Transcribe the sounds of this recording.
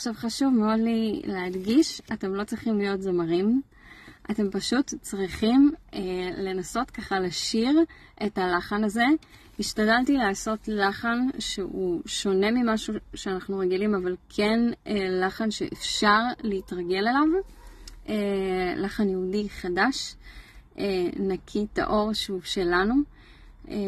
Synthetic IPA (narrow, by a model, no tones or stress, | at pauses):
aʃavχaʃuvmeo̞dlileadɡiʃate̞mlo̞t͡sʁiχimlijo̞tzamaʁim | ʔate̞mpaʃutt͡sʁiχimele̞naso̞tkaχalaʃiʁ | ʔetalaχanaze̞ | iʃtadaltileaso̞tlaχanʃeuʃo̞ne̞mimaʃuʃeanaχnuʁeɡilimavalkʰe̞nelaχanʃeʔefʃaʁleitʁaɡe̞le̞lav | elaχanjeudiχadaʃ | enakʰita̰ʔo̞ʁʃuʃe̞lanu